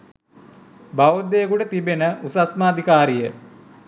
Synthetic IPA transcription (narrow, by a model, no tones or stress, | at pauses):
baʋod̪ejəkuʈət̪ibenəʔusasməːd̪ʱikaːɾijə